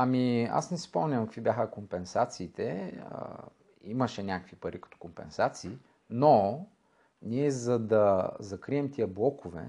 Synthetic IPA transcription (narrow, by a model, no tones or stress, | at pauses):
ɐmia̰snɛsipɔmnʲɐmkəkvʲibjaxəkompɛnsat̪siːt̪ɛə̰ | iməʃɛnʲakəkvipɐɾʔikɐ̥t̪ɔ̥kompɛ̰nsat̪siː | no | niɛzɐd̪ɐzɐkɾiɛmt̪iəblˠɔkʊvɛ̰